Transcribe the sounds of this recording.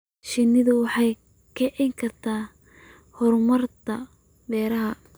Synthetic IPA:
ʃɪnɪðʊwɑħɑj | kʰɐʕɪŋkʰɐrt̪ʰaː | hɔrmɐrt̪ʰɐ | bɛːɾɐɦɐ

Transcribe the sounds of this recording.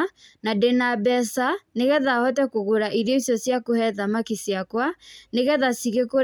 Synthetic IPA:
nadɛnabɛsaneɣɛðahɔtɛkoɣoɾaʔiɾjɔisjɔsjakohɛðamakisjakwaneɣɛðasiɣeko

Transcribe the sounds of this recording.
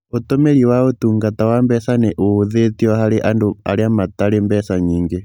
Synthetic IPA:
ot̪omeɾiwaot̪uŋɡatawambɛsaneʔoðet̪iɔhaɾeʔandoa̰ɾeamat̪aɾembɛsaɲiŋɡe

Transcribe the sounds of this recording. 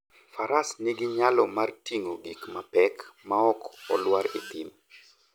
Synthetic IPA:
faɾasnɪɡɪɲalɔmartiŋoɡikmapɛkmaɔkɔlwaɾɪ̰t̪ɪm

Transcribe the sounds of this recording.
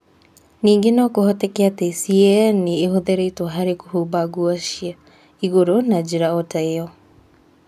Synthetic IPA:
niːŋɡenɔkohɔtɛkeatesiɛniːɦoðeɾeitwaɦaɾeko̥hubaɡuaʃia | iɣoɾonad͡ʑeɾaɔtaeɔ

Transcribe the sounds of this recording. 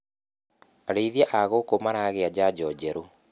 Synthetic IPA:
aɾeiðiaʔaɣokomanaɣead͡ʑad͡ʑɔd͡ʑɛɾo

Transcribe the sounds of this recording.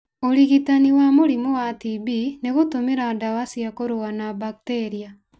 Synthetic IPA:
oliɣitaniwamoɾimowatibineɣotomeɾadawasiakoɾowanabakteːɾia

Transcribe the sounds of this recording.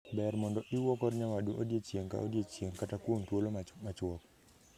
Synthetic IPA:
bɛɾmɔndɔʔɪwɔkɔrɲawaduʔodjet͡ʃjeŋka̰ʔo̰djet͡ʃjeŋkatakwoŋtwolomat͡ʃwɔk̚

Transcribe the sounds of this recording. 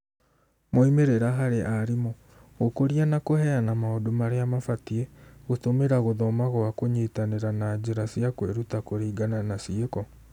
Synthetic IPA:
moimeɾeɾaɦaɾeʔaɾimɔ | ɣokoɾianakohɛanamaodomaɾeamafatiɛɣotomeɾaɣoðɔmaɣɔakoɲeːtaneɾanad͡ʑeɾasiakweɾutakoɾeiɡananasiekɔ

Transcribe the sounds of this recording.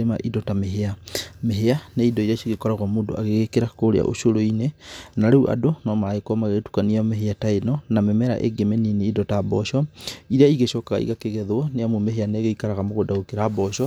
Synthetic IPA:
ema̰ʔidɔtameɦeameɦeaneidɔiɾeaʃiɣekɔɾaɣɔmoːndo̰ʔa̰ɣeɣekeɾakoɾea̰ʔo̰ʃoɾoinenaɾeuʔa̰donɔmaaekɔmaɣeɣetu̥kaniameɦeataenɔnamemɛɾa̰ʔḛɡemenineidɔtaːbɔɕɔiɾeaiɣeʃɔːkaɣa̰ḭɣakeɣɛðoɔneamomeɦeaneɣeikaɾaɣamoɣodaɣokeɾaːbɔɕɔ

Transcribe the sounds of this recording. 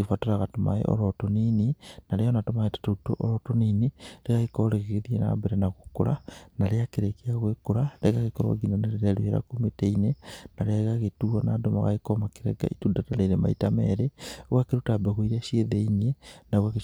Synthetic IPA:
ifatoɾaɣatoma̰ḛʔo̰ɾotonininalejonatomaetḁtotoʔoɾotoninileɣaekoleɣeɣeðiena̰beɾenaɣukuɾanaleakiɾekeaɣwekuɾaleɣaɣekoɾo̰ɡinaneleɾeluheɾa̰kumeteinenaɾeɣaɣetuana̰doma̰ɣa̰ekomakiɾḛɡa̰itudataleɾema̰itamḛɾeɣwakiɾutabeɣoiɾeʃeðeinenaɣweɣe

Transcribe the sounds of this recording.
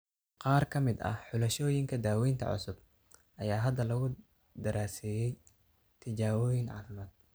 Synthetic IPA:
qɑːrkʰɐmɪd̪ɐ̰ħʊlɐʃɔːjɪŋkʰɐd̪aːwɛjnt̪ʰɐ̰ʕʊ̰sʊb | ʔɐjaːɦɐd̪ɐlɐɣʊ | d̪ɐɾʔaːsɛːjɛj | t̪ʰɪt͡ʃaːwɔːjɪŋʕɑ̰ːfɪmaːd̪̥̚

